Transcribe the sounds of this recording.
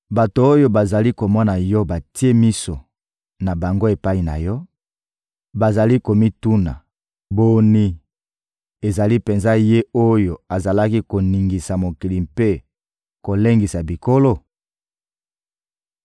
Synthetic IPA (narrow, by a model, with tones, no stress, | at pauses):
ba˨to˨o˦jo˦ba˨za˨li˦ko˨mɔ˦na˨jɔ˦ba˨ti˦e˦mi˦so˨ | na˨ba˨ŋɡo˦e˨pa˦i˨na̰˨jɔ˦ | ba˨za˨li˦ko˨mi˦tu˦na̰˨ | bo˨ni˨ | e˨za˨li˦pe˨nza˦je˦o˦jo˨a˨za˨la˦ki˦ko˨ni˨ŋɡi˨sa˨mo˨ki˨li˨mpe˦ | ko˨le˦ŋɡi˨sa˨bi˨ko˦lo˦˨